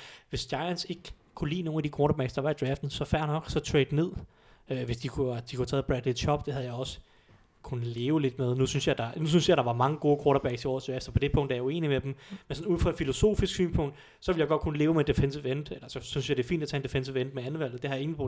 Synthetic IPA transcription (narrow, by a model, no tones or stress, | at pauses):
ʋe̝sd̥jɑ̈ɪænse̝ɡ̥ | kʰulḭːno̝ːn̩æd̥ikʰoːɾɐbæɡ̥sd̥ɑ̈ʋɑ̈id̥ʁɛfd̥n̩sɒ̽fæɐ̰nɒ̽ɡ̥sɒ̽t͡sʰʁɛ̰d̥ne̝ð̰ˠ | øʋe̝sd̥ikʰud̥ikʰut͡sʰɛːð̩ˠb̥ʁɛd̥li̥ɕʰɒ̽b̥d̥e̝hɦæðˠjɑ̈ɪɒ̽sə̥ | kʰunəle̝ːʊle̝d̥með̞ˠnusynsjɑ̈d̥ɑ̈nus̬ynsjɑ̈ɪɾ̥ɑ̈ʋɑ̈mɑ̈ŋəɡ̥o̝ːkʰwoɐɾɐb̥æɡ̥siɒ̰ːsʰeefd̥ɐpʰɒ̽d̥e̝pʰɔ̽ŋ̰d̥æjaue̝̰ːnimed̥em̩mensɒ̽nuð̰ˠfʁɒ̽ed̥filo̝so̝̰ːfisɡ̥sy̰ːnpʰɔ̽ŋ̰d̥ | sɒʋe̝ljɑ̈ɪɡɒ̽d̥̚kʰunəle̝ːʊmed̥e̝fensiʋend̥elɐsɒ̽synsjɑɪd̥e̝fḭnd̥æt͡sʰɛ̰ːnd̥efensiend̥̚meæn̩ˠʋæl̰dð̩ˠd̥ehɑ̈jɑ̈e̝ŋn̩pʰo